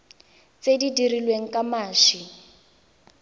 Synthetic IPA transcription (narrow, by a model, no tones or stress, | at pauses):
t͡sedidirilweŋ̩kamaːʃi